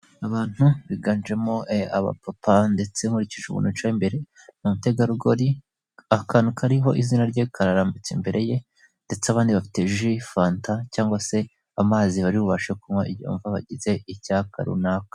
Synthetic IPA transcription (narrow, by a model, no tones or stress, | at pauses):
aβaːn̥huβiɡand͡ʒemo̞ea̰βa̰papande̞t͡se̞muɾiciʒuβṵːnut͡ʃaimbe̞ɾe̞ | mumute̞ɡaɾuɡo̞ɾi | akanukʰaɾiɦo̞ʔizinaɾɟoikʰaɾaɾaːmbit͡sembe̞ɾʔe̞je̞ | nde̞t͡seaβaːndiβafi̥teʒifaːntacaːŋɡwase̞ | amaːziβaɾiβuβaʃekumŋoiβjo̰ːɱvaβa̰ɟize̞icaka̰ɾṵnakḁ